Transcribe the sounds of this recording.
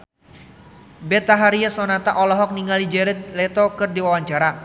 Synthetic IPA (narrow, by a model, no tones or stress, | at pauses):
bɛt̪aɦaɾiasɔnat̪aʔɔlɔɦɔk̚niŋalid͡ʒɛɾɛt̪̚lɛt̪ɔkɨrdiwawaɲt͡ʃaɾa